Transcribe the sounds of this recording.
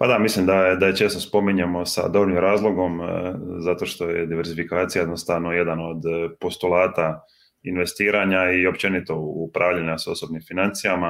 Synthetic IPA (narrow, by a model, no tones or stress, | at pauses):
pad̪amislimd̪ajed̪ajet͡ʃe̞ːst̪o̞spo̞miɲemo̞sa̰d̪o̞bɾnimɾaːzlˠo̞ɡo̞mzat̪o̞ʃt̪o̞jḛd̪iʋe̞ɾzifikaːt̪sijajed̪nost̪aʋnoje̞d̪ano̞d̪po̞st̪ulˠaːt̪a | inʋe̞st̪iːɾaɲaio̞p̚t͡ʃe̞nit̪o̞upɾʔaːʋʎaɲaso̞so̞bnimfinant̪sijama